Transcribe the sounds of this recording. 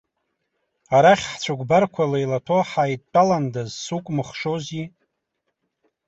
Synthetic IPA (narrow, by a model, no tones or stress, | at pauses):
aɾaχʲħt͡ɕʷʰaɡʷbarkʷʰalajlatʰoħajtʼːalandazsukʷʼmɨχʂozi